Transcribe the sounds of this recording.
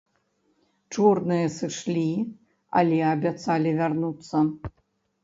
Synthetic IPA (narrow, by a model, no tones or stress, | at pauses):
t͡ʂurnɨjɐsɨʂlʲi | a̰lʲɛabʲat̪salʲivʲarnut̪sːɐ